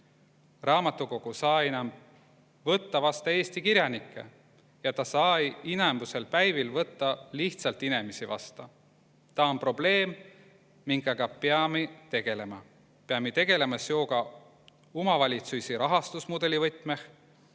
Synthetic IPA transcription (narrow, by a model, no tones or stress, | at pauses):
rɑːmɑt̪ːˑuko̞ɡ̥usɑːenɑmb | vɤt̪ːɑvɑst̪ɑe̞ːst̪ikiɾʲjɑnikˑːe̞̰ | jɑt̪ɑsɑːjinembuse̞lpæjvilvɤt̪ːɑliht̪sɑlt̪ine̞misivɑ̰st̪ɑ | t̪ɑonpro̞b̥le̞ːmː | iŋɡɑɡɑpeɑmet̪e̞ɡ̥e̞le̞mɑ | peɑmet̪e̞ɡ̥e̞le̞mɑsjo̞ːɡɑ | umɑvɑlʲit̪sujsiɾɑɦɑst̪usmod̪e̞lʲivɤt̪ˑmeh